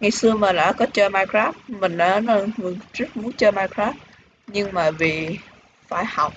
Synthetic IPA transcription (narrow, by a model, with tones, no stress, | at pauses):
ŋa˨˩jsɨ˧əmaː˨˩la̰ː˧˥kɔ˨˦t͡ɕəː˧jmaː˧jkɾaː˦˥p̚mï˨˩ŋ̟ɗaː˨˧˨nə˧mɨ˨˩ŋzɨ˦˥k̚mu˨˦ənt͡ɕəː˧maː˧jkɾaː˦˥ | ɲɨ˧ŋmaː˨˩vi˨˩ | fa̰ː˧˩jha˨˩wk͡p̚